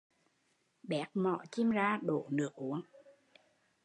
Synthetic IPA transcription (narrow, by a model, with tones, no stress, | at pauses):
ɓɛ˨˦˥k̚mɔ̰˧˩˨t͡ɕi˧mzaː˧ɗo˧˩nɨ˨˥ək̚ʔu˨˦əŋ